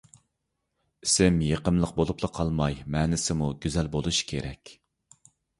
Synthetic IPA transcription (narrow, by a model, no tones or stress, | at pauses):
isɪmjeqəmlˠəq̚bolˠuplˠəqʰɑlˠmɑjmɛːnɪsɪmuɡʲyzɛlbolˠuʃkʲʰeɾɛ̰kʲ